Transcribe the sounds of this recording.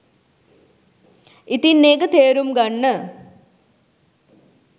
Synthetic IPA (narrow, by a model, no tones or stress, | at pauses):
it̪inːeːɡɐt̪eːɾumɡɐɳːə